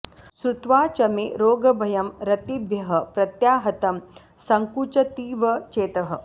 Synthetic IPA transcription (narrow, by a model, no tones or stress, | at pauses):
sɾut̪ʋaːt͡ʃɐmeɾoːɡɐbʱɐjɐmɾɐt̪ibjɐɦɐ̆pɾɐt̪jaːɦɐt̪ɐm | sɐŋkut͡ʃɐt̪iːʋɐt͡ʃeːt̪ɐɦɐ̆